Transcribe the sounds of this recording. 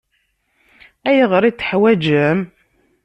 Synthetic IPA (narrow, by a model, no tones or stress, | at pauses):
æjʁəɾˤit͡sːə̥ħwæd͡ʒəm